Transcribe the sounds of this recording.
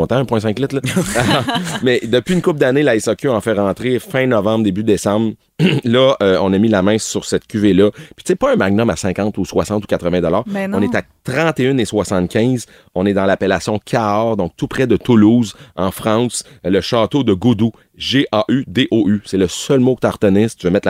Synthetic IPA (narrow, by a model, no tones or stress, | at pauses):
ɔ̃t̪ãɛ̃pwɛ̃s̬ɛ̃klɪt̪lʌ | mɛd̪əpɥiynkʊp̚d̪anelaɛsɑkʲøɑ̃fɛʁɑ̃ːt̪ʁefɛ̃nɔvɑ̃bʁd̪ebyd̪esɑ̃bʁ | lʌəɔ̃nʌmilamɛ̃syʁsɛt̪kʲyvelʌpi̥t͡sepɔɛ̃maɡ̚nɔmasɛ̃kɑ̃t̪uswasɑ̃t̪u̥kat̪ʁəvɛ̃d̪ɔlɑːʁɔ̃net̪a | t̪ʁɑ̃t̪eʏneswasɑ̃t̪kʲɛ̃z | ɔ̃nɛd̪ɑ̃lapelasjɔ̃kʲʰaɑːʁd̪ɔ̃k̚t̪upʁɛd̪ət̪ʊluːzɑ̃fʁɑ̃sləʃɑːt̪od̪əɡud̪u | ʒeʔaʔyd̪eʔoʔysɛləsœlmokət̪aʁt̪ənɪst̪yvəmɛt̪l